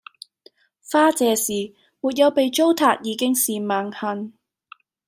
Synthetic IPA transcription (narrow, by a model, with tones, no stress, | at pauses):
faː˥t͡sɛː˨˧siː˨˩ | muː˨˩t̚jɐ˨˧wpe˨jt͡ʃo˥wt̪ʰaː˨˧k̚jiː˨˧kɪ˥ŋsiː˨maː˨ŋhɐ˧n